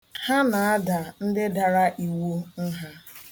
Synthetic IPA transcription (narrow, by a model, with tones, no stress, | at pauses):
ha˦na˨a˦da˨n̩˦dɪ˦da˨ɾa˦ʔi˨wo˦n̩˦ɦa˦